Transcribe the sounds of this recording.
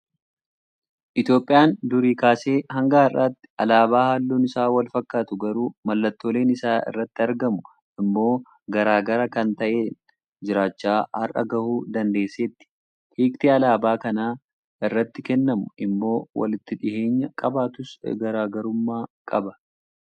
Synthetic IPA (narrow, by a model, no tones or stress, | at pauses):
ʔɪt̪jo̞ːpʼːɪjaːnd̪ʊɾiːkaːse̞ːhɐŋɡaːɐrːaːt̪ːɪ̥ɐlaːbaːhaːlːoːnɪsaːwɐlfɐkːaːt̪ʊɡɐɾuːmɐlːɐt̪ːo̞ːle̞ːnɪsaːɪ̰rːɐt̪ːɪɐɾɡɐmʊ | ʔɪmːo̞ː | ɡɐɾaːɡɐɾɐkɐnt̪ɐʔeː | d͡ʒɪɾaːt͡ʃːaːhɐ̰rʔɐ̰ɡɐhuːd̪ɐnd̪eːsːeːt̪ːɪ̥ | hiːkt̪iɐlaːbaːkɐnaː | ɪrːɐt̪ːɪkɛnːɐmʊʔɪmːo̞ːwɐ̰lɪt̪ːɪᶑɪhe̞ːɲːɐkʼɐbaːt̪ʊsɡɐɾaːɡɐɾʊmːaːkʼɐbɐ